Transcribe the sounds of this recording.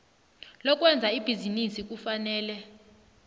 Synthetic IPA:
lɔk̬ʼwɛnd͡zʱaib̥ʱizinisik̬ufanɛːlɛ

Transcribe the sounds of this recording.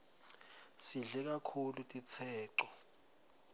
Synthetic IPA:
siɮɛk̬akʰulutʼit͡sʰɛːǀɔ

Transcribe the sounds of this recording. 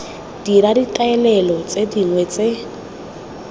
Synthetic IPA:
d̥iɾaditaɛlɛlɔt͡sʼediŋwɛt͡sʼe

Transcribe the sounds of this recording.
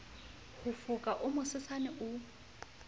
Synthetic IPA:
hʊfʊkʼaʔʊmʊsɪsanɛʔʊ

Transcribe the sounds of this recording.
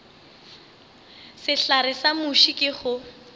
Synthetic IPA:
sɪɬaɾɪsamʊʃikʼɪχʊ

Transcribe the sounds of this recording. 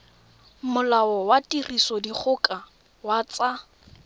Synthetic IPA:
mʊlaɔwatʼirisɔdik͡xʰʊkʼa | wat͡sa

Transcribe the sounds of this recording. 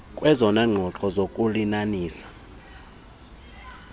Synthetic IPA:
kʼwɛzɔnaŋ͡ǃʱɔǁɔzokʼulinaniːsḁ

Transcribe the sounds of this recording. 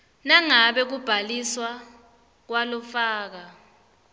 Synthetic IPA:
naŋaɓɛk̬ub̥ʱaliswa | k̬walɔfaːk̬a

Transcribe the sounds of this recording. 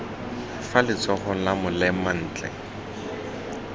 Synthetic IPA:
falɪt͡sɔχʊlamʊlɛman̩ːt͡ɬʼɛ̰

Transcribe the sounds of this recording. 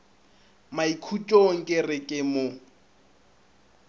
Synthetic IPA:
maikʰut͡ʃʼoŋ̩kʼɪrɪkʼɪmʊ

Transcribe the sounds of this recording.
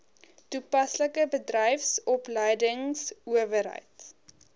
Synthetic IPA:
tupɐsləkəbədrəjfsɔpləjdəŋsuəvəɾɦə̰jt

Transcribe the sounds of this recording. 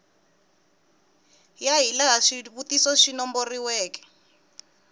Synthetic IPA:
jaɦilaɦaʃiβutisɔʃinɔmboriwɛːkɛ̥

